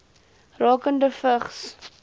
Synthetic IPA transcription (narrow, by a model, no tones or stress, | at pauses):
rɑːkəndəfəχs